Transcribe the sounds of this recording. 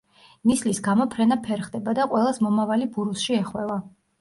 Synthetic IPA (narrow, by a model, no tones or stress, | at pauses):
nislisɡamɔpʰɾɛnapʰɛɾχd̪ɛbad̪aqʼwɛlˠasmɔmavalibuɾusʃiɛχwɛva